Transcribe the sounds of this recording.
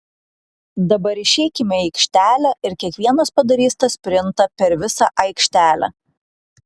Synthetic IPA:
d̪ɐbɐɾɪʃʲɛɪkʲɪmʲɛɛɪkʃʲt̪ʲæːlʲæʔɪɾkʲiɛkʋʲiɛnɐspɐd̪ɐɾʲiːst̪ɐsʲpʲɾʲɪnt̪ɐpʲɛɾʋʲɪsɑʔɐɪkʃʲt̪ʲæːlʲæ̰

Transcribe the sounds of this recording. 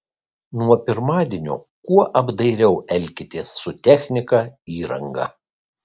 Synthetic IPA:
nuɔpʲɪɾmɑːd̪ʲiɛnʲo̰ː | kuɔʔɐbd̪ɐɪɾʲɛʊʔɛlʲkʲɪt̪ʲeːsːʊt̪ʲæxʲnʲɪkɐiːɾɐŋɡɐ̰

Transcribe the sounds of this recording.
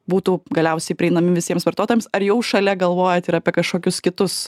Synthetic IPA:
buːt̪uːɡɐlʲɛʊsʲɛɪpʲɾʲɪɛɪnɐmʲɪʋʲɪsʲiɛmsʋɐɾt̪oːt̪oːjɛmsɐɾjɛʊʃɐlʲɛɡɐlˠʋoːjɛt̪ɪɾɐːpʲiɛkɐʃkoːkʲʊskʲɪt̪ʊs

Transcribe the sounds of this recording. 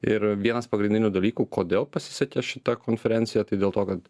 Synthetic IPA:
ɪɾʋʲiɛnɐspɐɡɾʲɪnʲdʲɪnʲud̪ɐlʲiːkuːkoːd̪ʲeːlˠpɐsʲɪ̥sʲɛkʲeːʃʲɪt̪ɐkoːnʲfʲɛɾʲɛnʲt̪sʲɪjæt̪ɐɪd̪ʲeːlˠt̪oːkɐt̪

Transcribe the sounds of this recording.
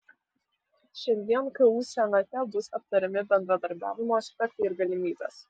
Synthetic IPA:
ʃʲɛnʲd̪ʲiɛnkɐʋuːsʲɛnɐt̪ʲɛbʊsɐp̚t̪ɐɾʲɛmʲɪbʲɛnd̪ɾɐd̪ɐɾʲbʲæ̰ːʋʲɪmoːsʲpʲɛk̚t̪ɐɪɾɡɐlʲɪmʲiːbʲɛ̰ːs

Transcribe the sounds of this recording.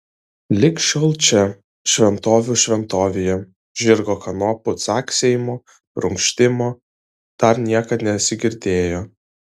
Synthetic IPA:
lʲɪkʃʲɔlˠt͡ʃʲɛ | ʃʲʋʲɛnt̪oːʋʲuʃʲʋʲɛnt̪oːʋʲejɛ | ʒʲɪɾɡoːkɐnɔːpʊt̪sɑːksʲɛjmoː | ɾʊŋkʃʲt̪ʲɪmoː | d̪̥ɐɾnʲiɛkɐt̪nʲɛɐt̪sʲɪɡʲɪɾʲd̪ʲeːjoː

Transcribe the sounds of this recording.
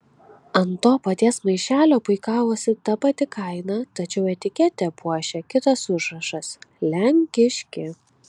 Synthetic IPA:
ɐnt̪oːpɐt̪ʲiɛsmɐɪʃʲæːlʲoːpʊɪkɑːʋoːsʲɪt̪ɐpɐt̪ʲɪkʰɐɪnɑt̪ɐt͡ʃʲɛʊɛt̪ʲɪkʲɛt̪ʲɛpuɔʃʲɛkʲɪt̪ɐsʊʒɾɐʃɐslʲæŋʲkʲɪʃʲkʲɪ

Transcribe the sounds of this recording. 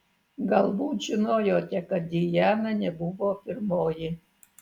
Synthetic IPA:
ɡɑlˠbuːt̪ʒʲɪnoːjoːt̪ʲɛkɐt̪̚d̪ʲijæːnɐnʲɛbuʋopʲɪrmoːji

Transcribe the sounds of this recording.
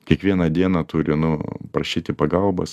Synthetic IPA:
kʲiɛkʋʲiɛnɐd̪ʲiɛnɐt̪uːɾʲɪnʊpɾɐʃʲiːt̪ʲɪpɐɡɐlˠbɐ̰s

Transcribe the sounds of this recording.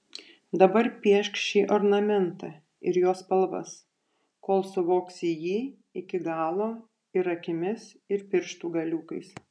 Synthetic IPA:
d̪ɐbɐɾpʲiɛʃkʃʲiːʔoɾnɐmʲɛnt̪ɐ | ɪ̰ɾjoːspɐlˠʋɐ̰s | koːlˠsʊʋoːksijiː | ɪkʲɪɡɑːlˠoː | ɪɾɐkʲɪmʲɪs | ɪɾpʲɪɾʃt̪uːɡɐlʲuːkɐɪs

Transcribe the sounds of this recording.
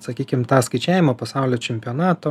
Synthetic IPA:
sɐkʲiːkʲɪmt̪ɑːskɐɪt͡ʃʲæːʋʲɪmɐːpɐsɑʊlʲoːt͡ʃʲɛmʲpʲɪoːnɑːt̪o

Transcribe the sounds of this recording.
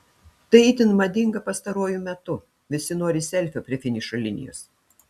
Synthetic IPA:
t̪ɐɪiːt̪ʲɪnmɐd̪ʲɪŋɡɐpɐst̪ɐɾuɔjumʲɛt̪ʊ | ʋʲɪsʲɪnoɔɾʲɪsʲɛlʲˑfʲopʲɾʲiɪfʲɪnʲɪʃolʲɪnʲɪ̰jo̰ːs

